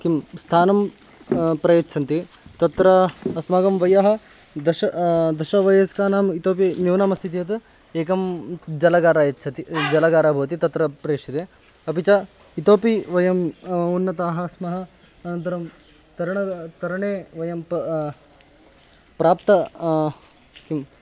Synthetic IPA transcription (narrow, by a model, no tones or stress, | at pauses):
kimst̪ʰaːnɐm | pɾɐjɐtːt͡ʃʰɐnt̪i | t̪ɐt̪ɾɐɐsmaːɡɐmʋɐjɐɦɐ̆ | d̪ɐʃɐd̪ɐʃɐʋɐjɐskaːnaːmit̪oːpimjuʋnaːmɐst̪ʰit̪ijɐt̪ | eːkɐmd͡ʒɐlɐɡaːɾaːjɐtːt͡ʃʰɐt̪id͡ʒɐlɐɡaːɾaːbʱɐʋɐt̪̬it̪ɐt̪ɾɐpɾeːʂit̪eː | ɐpit͡ʃɐ | it̪oːpiʋɐjɐmunːɐt̪aːɦɐsmɐɦɐ̆ | ɐnɐnt̪ɐɾɐm | t̪ɐɾɐɳɐt̪ɐɾɐɳeːʋɐjɐmp | pɾaːpt̪ɐ | kim